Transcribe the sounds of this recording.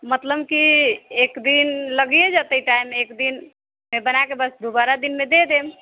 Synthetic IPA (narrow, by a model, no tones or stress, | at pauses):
mət̪ləbkiekd̪inləɡijed͡ʒət̪əiʈaimekd̪in | mebənakebəsd̪ubaɾad̪inmed̪ed̪em